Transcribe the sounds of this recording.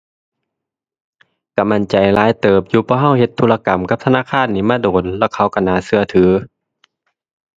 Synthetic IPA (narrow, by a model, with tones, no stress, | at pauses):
ka˧˩ma˧˩˨nt͡ɕa˨jlaː˧˥˨jt̪ɤː˨˩p̚juː˧pʰɔː˧˦ɦa˧˥˨whe˧˦t̪ʰːuː˧˨la˧ka˨˦mka˧˥p̚t̪ʰa˧naː˧˥˨kʰaː˧˥˨nːiː˧˥˨maː˧˥˨doː˨˦nlɛː˧˩kʰa˧˩wka˧˩naː˧˦sɯ˧ɐt̪ʰɯː˨˦